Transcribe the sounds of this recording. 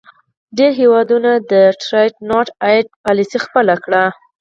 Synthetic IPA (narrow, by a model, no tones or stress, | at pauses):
ɖeɾɦewɑd̪unad̪əʈɾajʈnɑʈaɖ̚pɑlisixpəlakɽa